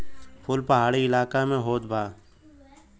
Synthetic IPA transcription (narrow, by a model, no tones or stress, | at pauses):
pʰʊlpɐɦaːɽiɪlaːkamẽɦoːt̪bʱaː